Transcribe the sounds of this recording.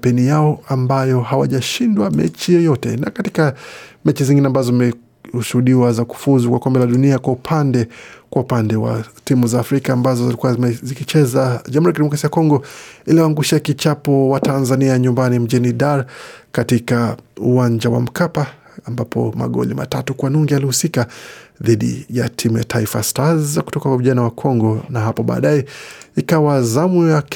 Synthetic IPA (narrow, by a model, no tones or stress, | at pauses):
pɛnijaɔambajɔhawa̰ʄaʃindwamɛ̰t͡ʃijɔjɔtɛ̰nakatikamɛt͡ʃiziŋɡinɛambazɔimɛ | uʃuhuɗiwazaku̥fuzukwakɔmbɛlaɗuniakwaupʰandɛkwaupandɛwa̰timuzaːfɾikaːmbazɔzilikuazikit͡ʃɛzaʄamhuɾiakiɗɛmɔkɾasiakɔŋɡɔiliwaŋɡuʃakit͡ʃapɔwatanzaniaɲumbanim̩d͡ʒɛniɗaɾkatikauaɲd͡ʒawa̰m̩kapaː | mbapʰɔ̰ma̰ɠɔ̰lḭma̰tatukwanuŋɡialihusikaðiɗḭjatʰimujatʰaifastazaku̥tɔkakwaviʄanawakʰɔŋɡɔnaɦapɔɓa̰ːɗajɛikawazamujak